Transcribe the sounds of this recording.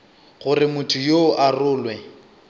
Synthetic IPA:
ɣʊrɪmʊtʰʊjoʔarʊːlwɛ

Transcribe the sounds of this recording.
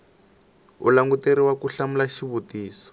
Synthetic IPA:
ṵlaŋɡuteɾiwakuɬamulaʃiβutiːsɔ̥

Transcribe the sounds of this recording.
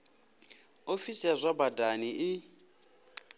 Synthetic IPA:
ofisiazʷabadaniʔɪ

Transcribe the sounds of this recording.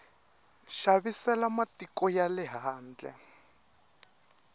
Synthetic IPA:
ʃaβisɛlamatikɔjalɛɦaːnd͡ɮɛ̰

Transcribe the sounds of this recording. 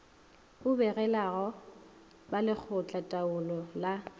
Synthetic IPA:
ʊbɛrɛlaɣɔ | balɪk͡xʰʊt͡ɬʼatʼaʊlɔla

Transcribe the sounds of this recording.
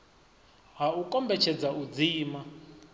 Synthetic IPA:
ɦaukɔmbɛt͡ʃʰɛd͡zaud͡ziːma

